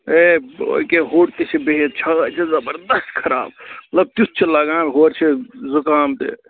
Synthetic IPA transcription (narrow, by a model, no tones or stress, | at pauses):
eo̰ikeɦoːɽt̪et͡ʃʰebeɦet͡ʃʰat͡ʃʰezɐbəɾd̪əsʈkʰɐɾa̰ːb̚mət̪ləb̚t̪us̚t͡ʃʰelaɡamɦoɾt͡ʃʰezukaːmt̪ḛ